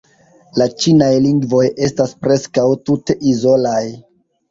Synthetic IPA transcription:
lat͡ʃinajliŋɡvo̞je̞staspɾe̞skawtute̞ʔizo̞laj

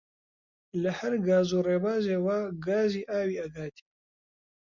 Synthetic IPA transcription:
lɐhɐɾɡaːzuːreːbaːzeːwaːɡaːziːʔaːwiːɐɡaːt̪ʰi̥ː

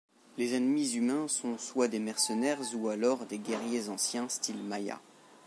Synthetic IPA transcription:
lezɛnmizymɛ̃sɔ̃swad̪emɛʁsənɛʁzualɔʁd̪eɡɛʁjezɑ̃sjɛ̃st̪ilmaja̰

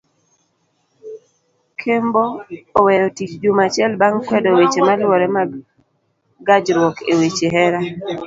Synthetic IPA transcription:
kʰemboːwɛjotit͡ʃd͡ʒumat͡ʃɪɛlbaŋkwɛdowet͡ʃemalwɔɾɛma | ɡad͡ʒɾwɔkʰewet͡ʃeɦɛɾa

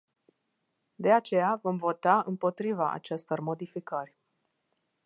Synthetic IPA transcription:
d̪e̞at͡ʃe̞javo̞mvo̞t̪aɨmpo̞t̪ɾivaʔa̰t͡ʃest̪o̞rmo̞d̪ifikərʲ

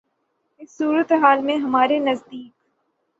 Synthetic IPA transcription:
ɪsːuːɾət̪eɦaːlmẽɦɐmaːɾenɐzd̪iːk

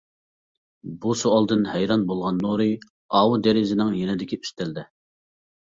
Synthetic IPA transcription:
busoɑlˠd̪ɨnhɛjɾɑnbolˠʁɑnːoɾɨ | ɑːwud̪eɾɪzɪnɪŋjenɪd̪ɪkʲiy̥st̪ɪld̪ɛ

